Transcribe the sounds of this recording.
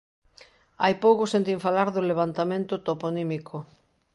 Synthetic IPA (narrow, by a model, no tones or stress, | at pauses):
ajpowkʊsẽnt̪̬iɱfalaɾðoleβ̞ant̪amẽnt̪ʊt̪oponimikʰo